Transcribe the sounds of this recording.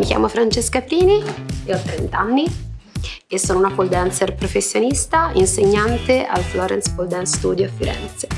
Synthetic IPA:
mikʲja̰ːmofɾant͡ʃeskapɾiːnieɔt̪ːɾent̪anːi | esːoːnounapold̪ɛnt̪serpɾofesːjonist̪ainseɲːant̪eʔa̰lflɔːɾɛnspold̪ɛnsst̪ṵːd̪joafiɾɛ̰nt̪se̥

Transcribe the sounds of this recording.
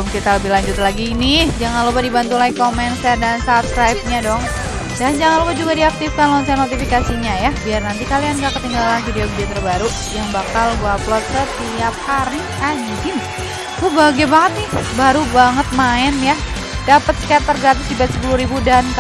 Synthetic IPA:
mkit̪aləbɪhlaɲd͡ʒʊt̪laɡinɪhd͡ʒaŋanlupadibant̪ulaikomɛnsɛrdansapskɾajb̚ɲadɔŋ | dand͡ʒaŋanlupad͡ʒuɡadiak̚t̪ɪfkanlɔɲsanot̪ifikasiɲajabiarnant̪ikalianɡakət̪iŋɡalanfidiobidiat̪ərbaɾu | jaŋbakalɡuaplɔt̪̚sət̪iap̚haɾi | ad͡ʒd͡ʒɪn | ubaɡabaŋət̪̚nɪhbaɾubaŋət̪̚maɪnja | dapət̪̚sə̥kaat̚t̪ːərɡat̪ʊsibat̪̚sə̥puluhɾibudank

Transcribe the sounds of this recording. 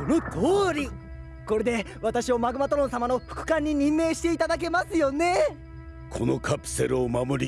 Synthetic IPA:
ono̞t̪ʰo̞ːɾʲi | ko̞ɾe̞d̪e̞ | βat̪aɕio̞maɡɯ̟mat̪o̞ɾõ̞ɰ̃samano̞ɸɯ̟̥kɯ̟̥kãɲ̟ːiɲ̟ĩmːe̞ːɕi̥t̪e̞it̪ad̪ak̬e̞masɨjo̞ne̞ | kʰo̞no̞kʰapɯ̥se̞ɾɯomamoɾʲi

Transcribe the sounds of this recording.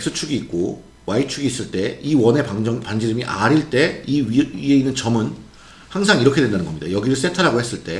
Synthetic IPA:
eks͈ɯt͡ɕʰuɡiːk̚k͈o | wait͡ɕʰuɡiːs͈ɯɭt͈e̞iwʌne̞pad͡ʑʌŋpand͡ʑiɾɯmiʔaɾiɭt͈e̞iie̞inːɯnt͡ɕʌmɯn | haŋs̬ʰaŋiɾʌkʰe̞dwendanɯnɡʌmɲidajʌɡiɾɯɭs͈entʰaɾɦaɡohe̞s͈ɯɭt͈e̞

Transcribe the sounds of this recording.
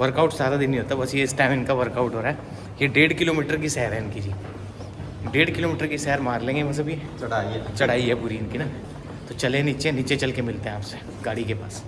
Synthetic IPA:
ʋəɾkaʊʈsaːɾad̪ɪ̃nɦĩɦoːt̪aɛbɐsjeɪsʈãːmɪnkaʋəɾkaʊʈɦoːɾaɦɛ | jeɖeːɽkɪloːmiːʈəɾkisɛɦəɾɦɛ̃ɪnkid͡ʒi | ɖeːɽkɪloːmɪːʈəɾkisɛɦəɾmaːɾlẽːŋɡebɐs̬ɐbʱit͡ʃɐɽait͡ʃɐɽ̤aːiɦɛpʊɾiɪnkina | t̪ot͡ʃɐlẽniːt͡ʃeniːt͡ʃet͡ʃɐlkemɪlt̪eɦɛ̃aːpse | ɡaːɽikepa̰ːs

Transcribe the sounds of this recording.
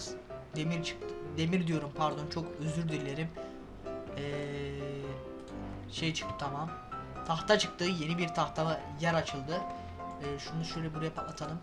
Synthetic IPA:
zd̪emiɾt͡ʃʰɯ̥k̪̚d̪e̞miɾd̪ijo̞ɾumpʰaɾd̪o̞nt͡ʃʰo̞køzyɾd̪iɾlʲeɾim | ɛː | ʃejɛt͡ʃʰɯ̥k̚t̪ɯ̥t̪ʰamamt̪ʰaxt̪ʰat͡ʃʰɯk̚t̪ʰɯːje̞nibiɾt̪ʰaxt̪ʰaa | jæɾat͡ʃʰɯlˠd̪ɯː | ʃund̪aʃøjlʲɛbuɾɛpat̪ʰalˠɯm

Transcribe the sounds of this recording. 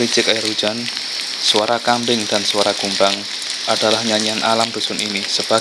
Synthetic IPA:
ɾi̥t͡ʃɪkarud̥d͡ʒ̥an | suaɾakambɪŋd̥answaɾaɡ̥umbaŋ | ʔad̥alahɲaɲianʔalamb̥ṳsʊninisəb̥a

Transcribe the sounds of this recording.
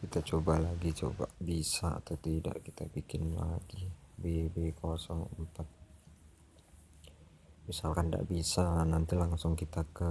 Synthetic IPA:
kit̪at͡ʃobalaɡit͡ʃo̰ba̰bisa̰ːt̪awt̪ida̰ʔkit̪abikɪnla̰ɡibebekosɔŋəmpat̪̚ | misalkanda̰ʔbisanant̪ilaŋsʊŋkit̪akə

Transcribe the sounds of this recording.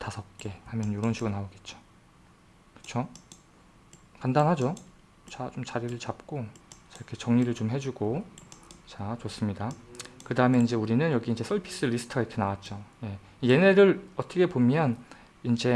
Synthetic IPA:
tasʰʌp̚k͈e̞hamjʌnjoɾonɕʰiɡonaoɡe̞t̚t͡ɕ͈o̥ | kɯ̥t͡ɕʰo | kandanɦad͡ʑo | t͡ɕat͡ɕomt͡ɕaɾiɾɯɭt͡ɕap̚k͈ot͡ɕaɾkʰe̞t͡ɕʌŋɲiɾɯɭt͡ɕomɦe̞d͡ʑuɡo | t͡ɕat͡ɕos͈ɯmɲidakɯdaɯme̞ind͡ʑe̞uɾinɯnjʌɡiind͡ʑe̞sʰʌɭpʰi̥s͈ɯɾisʰɯ̥tʰɯɡaiɾkʰe̞nawat̚t͡ɕ͈oje̞ | ije̞ne̞ɾɯɭʌt͈ʰʌkʰe̞pomjʌn | ind͡ʑe̞

